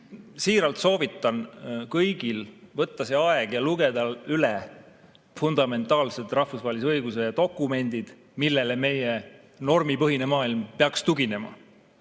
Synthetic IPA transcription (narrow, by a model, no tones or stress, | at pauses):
siːɾɑlt̪so̞ːvit̪ˑːɑnkɤjɡ̥ilvɤt̪ːɑseɑeɡ̥jɑluɡ̥e̞d̪ɑlylɛ | fund̪̥ɑme̞nt̪ˑɑːlset̪ˑrɑhfusvɑːelis̬ɤjɡ̥use̞t̪o̞kːˑume̞nʲd̪̥id̪̥ | milːe̞leme̞je | no̞rmipɤɦine̞mɑːilmpeɑkst̪uɡ̥ine̞mɑ̰